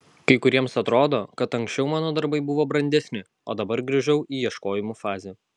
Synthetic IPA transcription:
kɐɪkʊɾʲiɛmsɐt̪ɾoːd̪oːkɐt̪ɐŋksʲt͡ʃʲɛʊmɑːnoːd̪ɐɾbɐɪbʊʋoːbɾɐnʲd̪ʲɛsʲnʲɪ | oːd̪ɐbɐɾɡɾʲɪʒʲɛʊiːjiɛʃkoːjɪmufɑːzʲe

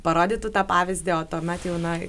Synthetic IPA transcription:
pɐɾoːd̪ʲiːt̪ut̪ɑːpɑːʋʲɪzʲd̪ʲɪoːt̪oːmʲɛt̪jɛʊnɐ

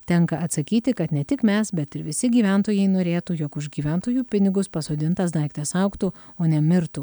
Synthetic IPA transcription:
t̪ʲɛŋkɐɐt̪sɐkʲiːt̪ʲɪkɐt̪nʲɛt̪ʲɪkmʲɛsbʲɛt̪ɪɾʋʲɪsʲɪɡʲiːʋʲænt̪oːjɛɪnoːɾʲeːt̪ujoːkʊʒɡʲiːʋʲæˑnˑt̪oːjuːpʲɪnʲɪɡʊspɐsoːd̪ʲɪnt̪ɐsd̪ɐɪkt̪ʲɛsɐʊkt̪uoːnʲɛmʲɪɾt̪u

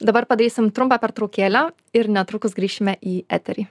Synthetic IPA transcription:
d̪ɐbɐɾpɐd̪ʲɾʲiːsʲɪmt̪ɾʊmpɐpʲɛɾt̪ɾoːkʲeːlʲa | ɪɾnʲɛt̪ɾʊkʊsɡɾʲiːʃʲɪmʲɛʔiæ̰ːt̪ʲɛɾʲiː

